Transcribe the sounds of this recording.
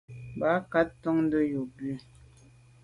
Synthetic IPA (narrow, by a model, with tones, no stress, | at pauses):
ba˨˦ka˦ttɔ˦ŋn̩˦də˦jo˨bʉ˦˨